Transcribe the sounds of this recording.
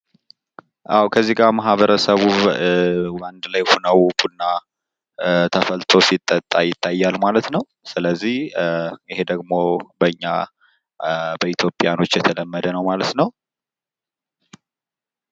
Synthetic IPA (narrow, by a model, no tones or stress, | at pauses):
ʔawkʰəzːiɡamaɦβəɾəsəβu | band̪lajhunəwbunːa | t̪ʰəfəlt̪ʰo̞sit̪ʼːət̪ʼːajɪt̪ʰːajːalmalət̪nəw | sɨləzːih | ɪhe̞d̪əɡmo̞bəɲːa | bəit̪ʰjo̞pʼːjano̞t͡ʃːjɛt̪ʰələmːəd̪ənəwmalət̪nəw